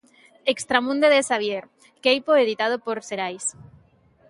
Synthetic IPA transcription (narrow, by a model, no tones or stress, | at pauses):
ekst̪ɾamũnd̪eðesaβjeɾ | kejpoeðit̪að̞opoɾseɾajs